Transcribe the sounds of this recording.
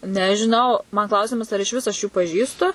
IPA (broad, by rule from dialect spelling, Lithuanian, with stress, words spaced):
nʲɛʒʲɪˈnɐʊ mɐn ˈklˠɐʊsʲɪmɐs ɐr ɪʃʲˈʋʲɪs ɐʃ ˈjuː pɐˈʒʲiːstʊ